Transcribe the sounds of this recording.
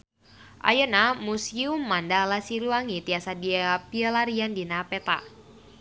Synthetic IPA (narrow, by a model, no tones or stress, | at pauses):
ʔa̰jənamusiumːandalasiɾuaŋit̪iasadiapiəlaɾiandinapɛt̪a̰